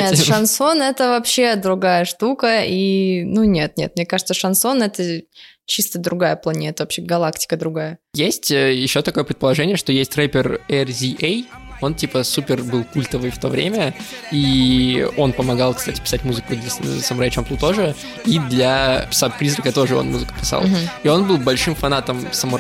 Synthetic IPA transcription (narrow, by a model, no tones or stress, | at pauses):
nʲeʂɐnso̞nɛt̪əvɐpɕːe̞d̪ɾʊɡajəʂt̪ukəinunʲet̪̚mʲnʲe̞̰t̪̚mnʲekaʐɨt̪səʂɐnso̞nɛt̪ə | t͡ɕist̪əd̪ɾʊɡajəplˠɐnʲet̪əvɐpɕeɡɐlˠaktʲɪ̥kəd̪ɾʊɡajəjesʲtʲəjɪɕːo̞t̪ɐko̞jəpɾʲɪt̪pəlˠɐʐɛnʲɪjəʂt̪o̞jesʲtʲrepʲɪrɛrzʲiʔejo̞ntʲipəsupʲɪrbɨlˠkulʲt̪əvɨjft̪o̞vɾʲḛmʲəi | o̞npəmɐɡalˠkst̪atʲɪ̥pʲɪ̥satʲmuzɨkʊd̪lʲɐsəmɾat͡ɕomp̪lˠʊt̪o̞ʐɨ | id̪lʲɐ̥sapɾʲizɾəkət̪o̞ʐɨo̞̰nmuzɨkə̥pʲɪ̥sa̰lˠio̞nbɨlˠbɐlʲʂɨmfɐnat̪əmsɐmu